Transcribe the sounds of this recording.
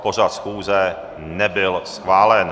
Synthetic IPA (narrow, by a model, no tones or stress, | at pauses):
poʒat̪sxuːzɛ | nɛbɪlsxvaːlɛn